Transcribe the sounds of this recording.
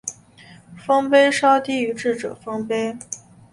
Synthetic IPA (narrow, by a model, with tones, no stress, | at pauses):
fɤ˥ŋpe˥ɪʂɑ˥ʊt̪i˥˩y˧˥ʈ͡ʂɻ̩˥˩ʈ͡ʂɤ̰˨˩fɤ˥ŋpe˥ɪ